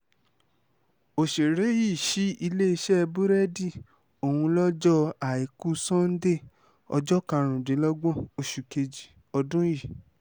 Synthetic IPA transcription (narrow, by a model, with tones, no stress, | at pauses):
o˨ʃe˨ɾe˨˦ji˦˨ʃi˨˦i˧le˦i˧ʃɛ˦˧bu˦ɾɛ˦di˦˨ | o˨hũ˧lɔ˦d͡ʒɔ˦a˨i˨ku˦sɔ̃˦n̩˦de˦˨ | ɔ̰˧d͡ʒɔ˦kã˧ɾ̃ũ˨dĩ˨˦lɔ˦ɡ͡bɔ̃˦˨o˧ʃu˨ke˧d͡ʒi˨ | ɔ˧dũ˦ji˦˨